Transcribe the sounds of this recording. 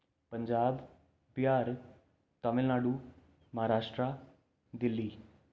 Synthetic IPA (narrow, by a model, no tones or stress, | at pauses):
pəɲd͡ʒaːb | bjaːɾ | t̪əmɪlnaːɽuː | mɐɦaɾaːʂʈɾa | d̪ɪlːiː